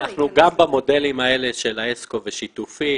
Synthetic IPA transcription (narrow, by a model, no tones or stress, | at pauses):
aχnuɡambamo̞de̞limae̞le̞ʃe̞laesko̞veʃit̪ufi